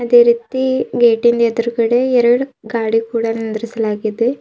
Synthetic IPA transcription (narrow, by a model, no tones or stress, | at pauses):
ɐd̪e̞ːɾiːt̪iɡeːʈːind̪ɐɛd̪ɐɾukɐɽeɛɾɐɽuɡaːɽikuːɽɐnind̪iɾisɐlaːɡid̪e